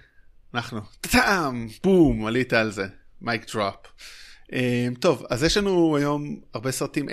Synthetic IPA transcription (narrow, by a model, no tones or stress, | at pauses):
anaχnut̪at̪aʔamb̥umalit̪aːlze̞majkd̪̥ʁapʔemt̪o̞vazjeʃlanuajo̞maʁbe̞sʁat̪imʔ